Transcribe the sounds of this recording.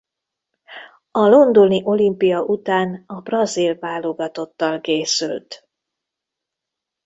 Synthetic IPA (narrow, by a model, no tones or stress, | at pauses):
ɒlo̞nd̪oniʔo̞limpijɒʔut̪aːnɒbrɒzilvaːloɡɒt̪o̞t̪ːɒlkeːsylt̪